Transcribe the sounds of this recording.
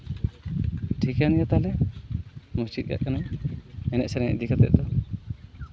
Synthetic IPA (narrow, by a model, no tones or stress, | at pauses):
ʈʰikanijat̪alɛ | must͡ʃit̪̚ka̰ʔkanaɛnɛʔsɛɾŋɛ̰ʔd̪ikʰat̪ɛ̰ʔ̚d̪ɔ